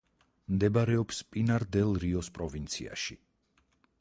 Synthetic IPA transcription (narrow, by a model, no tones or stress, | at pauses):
md̪ɛbaɾɛɔpspʼinaɾd̪ɛlˠɾiɔspʼɾɔvint̪sʰḭa̰ʃi